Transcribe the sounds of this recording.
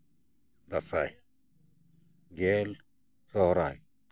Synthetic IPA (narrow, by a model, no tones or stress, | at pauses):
d̪asaj | ɡel | sɔɦɾaj